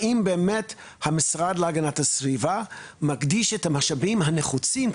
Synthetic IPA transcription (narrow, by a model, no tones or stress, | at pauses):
imbeːmet | hamisʁad̪leaɡanathasviva | maɡdiʃethamaχʃavimɦaneχut͡sim